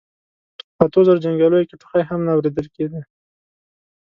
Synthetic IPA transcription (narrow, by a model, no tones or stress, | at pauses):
at̪ozaɾad͡ʒaŋɡalojakɪʈʊ̥xajɦamnaːwɾed̪əlked̪i